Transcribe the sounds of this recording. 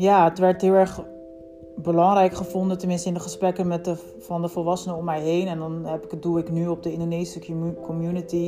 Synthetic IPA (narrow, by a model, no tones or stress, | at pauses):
jaːətʋɛɹtɦɪːlˠɛɹχ | bəlɑŋrɛjkχəvɔndətəmɪnstəɪndəχəsprɛkəmɛtə | fɑndəfəlʋɑsənəɔmːɛjɦejnɛndɔnɦɛpɪkət̚dulˠɪknyɔp̚dəɪ̃ndonejsəkɔmjunəti